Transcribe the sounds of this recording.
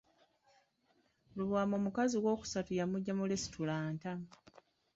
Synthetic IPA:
luβwaːmoːmukaziwo̞ːku̥satujamuɟːamulesi̥tulaːnta

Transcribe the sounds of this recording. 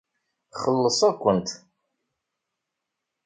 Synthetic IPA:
χəlːəsˤækʷːənt̪

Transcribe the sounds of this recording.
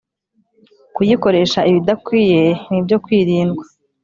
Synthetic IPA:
kujiko̞ɾe̞ʃaiβidakwiːje̞nibɟo̞kwiːɾiːnɡwḁ

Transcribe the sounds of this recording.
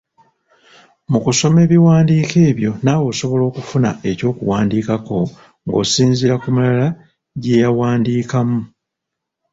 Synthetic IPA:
mukuso̞me̞ːβiwaːndiːke̞ːβjo̞naːwo̞ːso̞βo̞lo̞ːkufuna̰e̞co̞ːkuwaːndiːkako̞ | ŋɡo̞̰ːsiːnziɾakumulala | ɟe̞jawaːndiːkamu

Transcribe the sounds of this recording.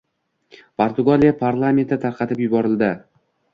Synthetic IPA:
pʰoɾt̪ʰʊɡalijapʰaɾlˠament̪ːɪt̪ʰaɾqʰɑt̪ɪpjʊbɒɾɪlˠd̪ɪ

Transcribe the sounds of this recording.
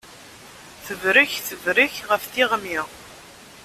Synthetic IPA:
θəvɾiçθəvɾiçʁəfθiʁmiʁ

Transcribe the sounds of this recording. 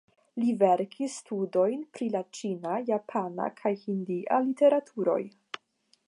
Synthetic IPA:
live̞ɾkʰisːtudo̞jnpɾilat͡ʃinajapʰana̰kʰajhindiʔa̰lite̞ɾatʰuɾo̞̰j

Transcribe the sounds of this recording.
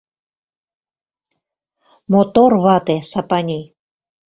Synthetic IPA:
mot̪orβɑt̪esɑpɑnʲij

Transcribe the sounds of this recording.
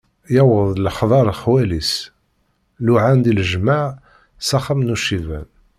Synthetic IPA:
jæwəðˤlħðˤɑɾˤlxwælis | luʕand̪iləʒmaʕ | sɑχəmnuʃivæ̰n

